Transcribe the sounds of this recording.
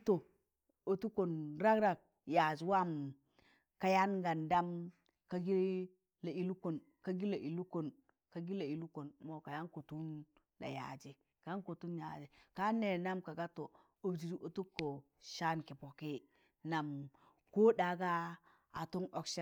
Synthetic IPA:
to˨ | o˨tu˦ko˨nɾa˦kɾa˨k̚ | ja˨d͡ʒi˨wa˦m | ka˨ja˦nɡa˨nda˦m | ka˦ɡi˦ | la˨i˨lu˦ko˨n | ka˦ɡi˦la˨ʔi˨lu˦ko˨n | ka˨ɡi˦la˨i˨lu˦ko˨nmo˨ka˨ja˦nko˨tu˦n | la̰˨ja̰˨d͡ʒe˨ | ka˨ja˦nko˨tu˦nja̰˨d͡ʒe˨ka˦ne˨na˦mka˨ɡa˦to˨ | o˨bd͡ʒi˨ɾi˦ʔo˨tu˦kːo˨ | ʃa˦nki˨po˨ke˦ | na˨m | ko˦da˨ɡa˦ | a˨to˦no˦kʃe˦

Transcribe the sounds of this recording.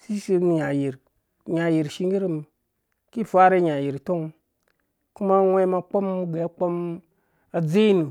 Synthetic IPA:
si˦ʃi˦n˨ɲa˨ji˨ɾ | ɲa˨ji˨ɾʃi˦ŋɡi˦ɾi˦m˨ | ki˦˨fa˦ɾe˦ɲa˨ji˨ɾto˦ŋ˨ | ku˦ma˦ŋʷe˦ma˧k͡po˦m˦ɡe˨a˦k͡po˦m | a˨d͡ze˦nu˨

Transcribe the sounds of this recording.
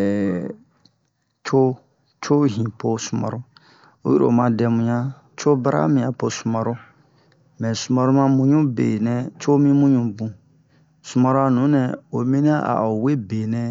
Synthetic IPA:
ɛ˨ | t͡ʃʰo˦ | t͡ʃo˦ɦĩ˨po˦su˨ma̰˨ɾu˦ | o̰˦ju˦ɾo̰˨mã˨dɛ˨mũ˨ɲã˦ | t͡ʃo˦ba˦ɾa̰˦mĩ˨ã˨po˨su˨ma˨ɾo˦ | mɛ̃˨su˨ma˨ɾu˦mã˦mũ˦ɲũ˦bḛ˨nɛ̃˨t͡ʃo˦mĩ˦mũ˦ɲũ˦bũ˨ | su˨ma˨ɾo˦a˨nũ˨˦nɛ̃˨o˨mĩ˦nã˦a̰˨o˨we˦be˨nɛ̃˦

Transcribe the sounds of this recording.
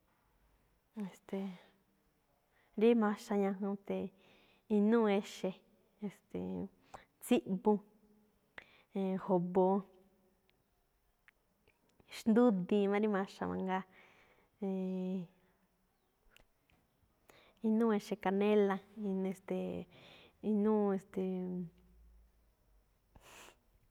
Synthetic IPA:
e˨st̪e˨ | ɾi˦mã˧ʃa˧ɲã˧ɦõ˧t̪e˨ | i˧nũː˦˧e˧ʃe˧ | e˨st̪ḛ˨ | t͡si˦ʔbũ˧˨ | ho˨βo˧ | ʃnd̪u˦d̪ĩ˧mã˦˧ɾi˦mã˧ʃa̰˧˨mã̰˧ŋɡa˧ | e˧ | i˧nũː˦˧e˧ʃe˧ka˨nẽ˦lã˧i˧ne˧st̪e˨ | i˧nũː˦e˧st̪e˨

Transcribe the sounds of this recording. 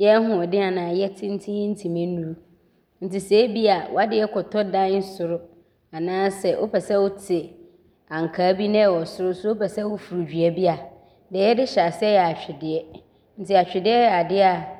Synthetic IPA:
jɛ˦ɦʊ̃˨ɔ˨dɪ˦a˨nãː˨jɛ˦tʰɪ˦n̩˦tʰĩ˦n̩˦tʰi˨mẽ˦nũ˦ɾ | n̩˨tɪ˨se˨˦bi˦a˨wɔ̰˦a˦dɪ˦ɛ˦kʰɔ˨tʰɔ˦dã˦n˦n̩˦sʊ˨ɾʊ˦ | a˨nãː˦sɛ˨ʔo̰˦pɛ˨sɛ˦wo˦tʰɪ˨ | ã˨ŋ̩˨kʰaː˨˦bi˦nɪ̃˦˨wɔ˨sʊ˦ɾʊ˦sʊ˦o˦pɛ˨sɛ˦wo˦fu˨ɾu˨d͡ʑᶣɥa˨bi˦a˨ | dɛ˨jɛ˦dɪ˦ɕa˨sɛ˦jɛ˨a˨t͡ɕᶣɪ˨dɪ˨ɛ˦ | n̩˨tʰɪ˨a˨t͡ɕᶣɪ˨dɪ˦ɛ˦a˨dɪ˦a˨

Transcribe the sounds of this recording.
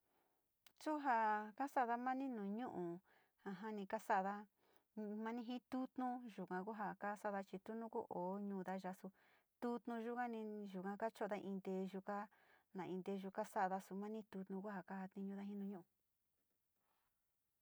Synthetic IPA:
t͡ʃu˦ɦa˧ka˦sa˦˨ða˦mã˦nĩ˦nũː˨ɲũ˦ʔũ˨ | ha˧ɦã˦nĩ˧ka˦sa˦˨ða˧ | mã˦nĩ˦ɦĩ˦t̪u˦t̪nũ˦ʒu˨kã˧ku˦ɦa˧ka˦sa˦ða˧t͡ʃi˧t̪u˦nũ˦ku˦ʔo˨˦ɲũː˧˨˧ða˧ʒa˧su˧ | t̪u˦t̪nũ˧ʒu˦ka˦nĩ˧ʒu˨kã˧ka˦t͡ʃo˦˨˧a˦ʔĩ˧nd̪e˧ʒu˧ka˦nã˨ĩ˧nd̪e˧ʒu˧ka˦sa˦˧ða˧su˧mã˦nĩ˦t̪u˧t̪nũ˧ku˦ɦa˨ka˦ha˧t̪ĩ˧ɲũ˧ða˦ɦĩ˦nũ˧ɲũ˦ʔu˨

